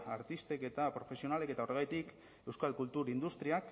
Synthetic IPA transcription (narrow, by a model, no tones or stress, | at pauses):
aɾt̪ist̪e̞ke̞t̪apɾo̞fe̞sionale̞ke̞t̪ao̞reɣajt̪ik | e̞wskalkult̪uɾind̪ust̪ɾiak